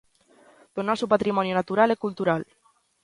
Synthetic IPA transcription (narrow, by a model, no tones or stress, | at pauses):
d̪̥onɔsupat̪ɾimɔnjonat̪uɾalekult̪uɾal